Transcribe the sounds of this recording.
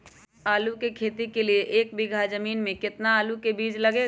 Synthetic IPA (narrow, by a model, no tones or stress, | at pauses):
aːlukekʰeːt̪ikelieʔeːk̚bɪɡʱazəmiːnmẽkɪt̪naaːlukebiːd͡ʒlɐɡe